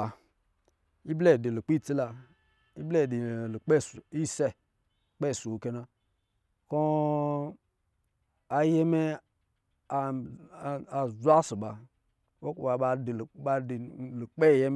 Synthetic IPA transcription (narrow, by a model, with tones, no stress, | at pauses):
i˦ble˦˨di˨lu˨k͡pi˦˨t͡si˦la˧ | i˦ble˦˨di˨lu˨k͡pe˦˨su˨i˦se˦˨ | k͡pe˦˨su˨wu˨ke˦na˧ | ko˦ | a˨je˦me˦ | a˨ | a˨zʷa˦su˨ɓa˨ | wo˦kwa˨ɓa˧di˨lɓa˧di˨lu˨k͡pe˦˨je˦m˦